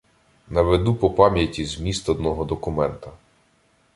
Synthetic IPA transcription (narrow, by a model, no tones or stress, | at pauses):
nɐʋed̪upɔpɑmʲjɐtʲizmʲist̪ɔd̪̚nɔɦɔd̪ɔkʊmɛnt̪ɐ